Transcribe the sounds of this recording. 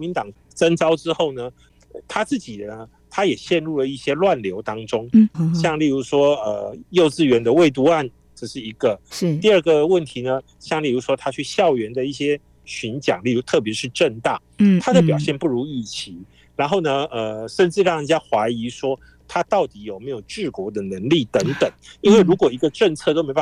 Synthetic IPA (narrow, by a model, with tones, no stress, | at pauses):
ɔ˦mi˧˥nt̪ɑ˨˩ŋ | t͡sə˥nt͡sɑ˥ʊʈ͡ʂɻ̩˥xo˥˩ʊnə˩ | t̪ʰa˥t͡sɹ̩˥˩t͡ɕi˨˩nə˦ | t̪ʰa˥jɛ˨˩ɕjɛ˥˧nɻu˥˩lə˩i˥˩ɕjɛ˥lwa˥˩nljo˧˥ʊt̪ɑ˥ŋʈ͡ʂʊ˥ŋɕjɑ˥˧ŋli˥˩ɻu˧˥ʂwɔ˥ə̰˩jo˥˧ʊt͡sɹ̩˥˩ɥɛ˧˥nd̪ə˧we˥˩ɪt̪̬u˥˧a˥˩n | ʈ͡ʂɤ˥˧ʂɻ̩˥˩i˧˥ɡə˨t̪i˥˧ə˥˩ɡə˩wə˥˩nt̪ʰi˧˥˦nə˧ | ɕjɑ˥˧ŋli˥˩ɻu˧˥ʂwɔ˥t̪ʰa˥t͡ɕʰy˥˧ɕjɑ˥˩ʊɥɛ˧˥nd̪ə˧i˥˩ɕjɛ˥ | ɕy˧˥nt͡ɕjɑ̰˨˩ŋli˥˩u˧˥t̪ʰɤ˥˩p̬jɛ˧˥ʂɻ̩˥˧ʈ͡ʂə˥˧ŋt̪a˥˩ | t̪ʰa˥d̪ə˨˩pjɑ˨˩ʊɕjɛ˥˧npu˥˩ɻu˧˥i˥˩t͡ɕʰi˧˥˦ | ɻa˧˥nxo˥˩ʊnə˩ə˧˩ʂə˥˧nʈ͡ʂɻ̩˥˧ɻɑ˥˩ŋ˨˩t͡ɕja˥xwa˧˥ɪi˧˥ʂwɔ˥ | t̪ʰa˥t̪ɑ˥˩ʊt̪i˨˥jo˨˩ʊme˧˥ɪjo˨˩ʊʈ͡ʂɻ̩˥˩kwɔ˧˥d̪ə˨nə˧˥ŋli˥˩t̪ə˧˥ŋt̪ə˨˩˦ŋi˥nwe˥˩ɪɻu˧˥kwɔ˨˩i˧˥ɡə˧ʈ͡ʂə˥˧ŋt͡sʰɤ˥˧t̪o˥ʊme˥ba˥